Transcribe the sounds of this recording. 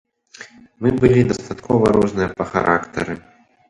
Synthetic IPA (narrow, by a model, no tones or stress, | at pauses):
mɨbɨlʲid̪ɐst̪at̪kʰɔvɐɾɔznɨjɐpɐxa̰ɾʔakt̪ɐ̰ɾɨ